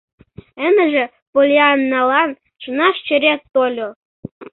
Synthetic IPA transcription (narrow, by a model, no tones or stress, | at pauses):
ə̆nə̆ʒĕ | polʲeɑnːɑlɑn | ʃənɑʃt͡ɕə̆ɾʲet̪ːolʲo